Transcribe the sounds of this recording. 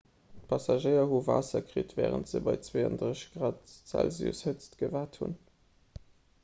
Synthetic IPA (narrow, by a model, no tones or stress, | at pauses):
t̚pʰɑsɑʒəɪɐɦuva̰ːsɐkʁitvɛːʁə̰ntz̥əbɑɪt͡sweə̰ndʁəɕɡ̥ʁɑːtt͡sæ̰lzjṵshət͡stɡəvaːthṵn